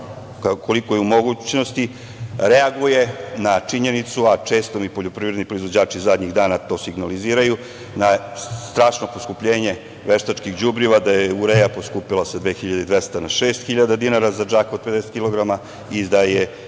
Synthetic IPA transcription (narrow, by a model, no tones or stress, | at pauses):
kakʰolikojeumo̞ɡut͡ɕno̞st̪i | ɾeaɡuje̞nat͡ʂiɲenit̪suat͡ʃe̞ːst̪o̞mipoʎo̞pɾivɾed̪nipɾoizʋo̞d͡ʑaːt͡ʃizad̪ɲiɣd̪aːnat̪o̞ːsiɡnaliziːɾaju | na | st̪ɾaːʂnoposkupʎe̞ːɲe̞ | ʋeʃt̪at͡ʃkixd͡ʑubɾiʋad̪ajeuɾejaposkupilased̪ʋeːxiʎad̪eid̪ʋest̪anaʃeːst̪xiʎad̪ad̪inaɾazad͡ʒaːkope̞d̪eset̪kilˠo̞ɡɾama | id̪aje